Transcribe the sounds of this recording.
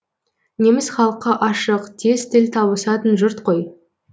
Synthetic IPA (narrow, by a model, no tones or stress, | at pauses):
ne̞mɪsχɑlˠəqːɑʔɑʃəqt̪ʰe̞st̪ɪlt̪ʰɑbəsɑt̪ənʒʊɾt̪qʰo̞j